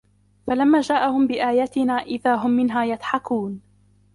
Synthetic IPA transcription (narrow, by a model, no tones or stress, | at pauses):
falamːaːd͡ʒaːʔahʊmbɪʔaːjaːt̪ɪnaːʔɪðaːɦʊmːɪnɦaːjad̪ħɑkuːn